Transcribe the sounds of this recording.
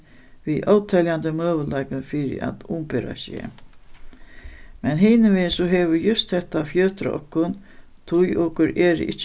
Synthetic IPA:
ʋiʔɔwt̪ʰɛljant̪əmøːʋəlajkənfɪɾɪ̰ʔa̰t̪ʊmpeɾa̰sjḛː | mɛnɦɪːnəʋɪsɔɦeːʋʏɾjʊst̪hɛht̪ːafjøːt̪ɾ̰ɔ̰kːʊn | t̪ʰʊjʔɔːkʊɾɛːɾ̰ɪ̰t͡ʃː

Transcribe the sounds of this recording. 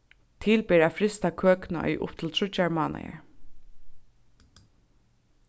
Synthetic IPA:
t̪ʰɪːlpeːɾafɾɪst̪akʰøːknaɔ̰jʔʊ̰pt̪ʰɪlt̪ʰɹʊt͡ʃaɹmaːna̰ja̰ɹ

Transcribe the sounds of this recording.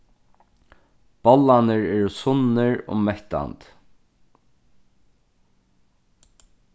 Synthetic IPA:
b̥ɔlːanəɹɛːɾʊsʊnɪɹʊ̰mɛht̪a̰nt̪

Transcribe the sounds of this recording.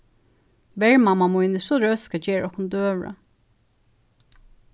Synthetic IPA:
ʋɛɹmamamujnɪʂɔɹœːskad͡ʒeːɹʔɔhkʊnd̪øːʋɹa̰

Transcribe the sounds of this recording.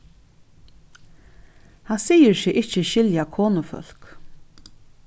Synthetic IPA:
hansijɪɾsɪːʔɪht͡ɕəʃɪljakʰoːnʊfœ̰l̥k

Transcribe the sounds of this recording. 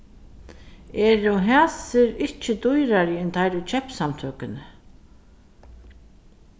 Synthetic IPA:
ɛːɾʊɦaːsɪɾɪht͡ʃɪd̪ujɾaɾɪɪnt̪ʰajɾʉt͡ʃʰɛpsamt̪ʰøːkɪnə

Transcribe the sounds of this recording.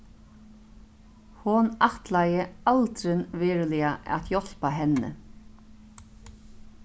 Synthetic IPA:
hʊnaht̪lajəalt̪ɾɪnvɪːɾɪlɪaʔa̰tjɔl̥paɦɛnːə̰

